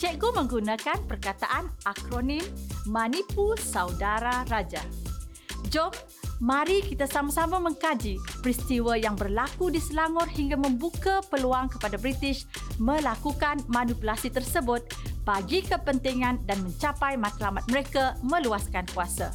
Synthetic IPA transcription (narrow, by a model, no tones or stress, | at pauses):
t͡ʃɛɡomə̃ŋɡunãkanpərkat̪aʔanakɾonĩmːãnipusawdaɾaɾad͡ʒa | d͡ʒɔmː | ãɾikit̪asamasamamə̃ŋkad͡ʒipɾist̪iwəjaŋbərlakudisəlaŋɔrhiŋɡamə̃mbukapəluaŋkəpadabɾit̪ɪʃ | mə̃lakukanmãnupulasit̪ərsəbʊt̪̚b̥aɡikəpənt̪iŋãndanmə̃ɲt͡ʃapajmãt̪lamat̪̚məɾekamə̃luaskankuasa̰